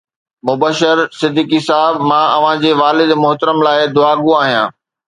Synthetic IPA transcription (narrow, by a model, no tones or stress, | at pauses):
mʊbəʃəɾsɪd̪ʱiːkisaɦɪbmãːɐʋ̤ãd͡ʑeːʋaːlɪd̪mʊɦt̪əɾəmlaːɪd̪ʊaːɡũaːɦijã̰ː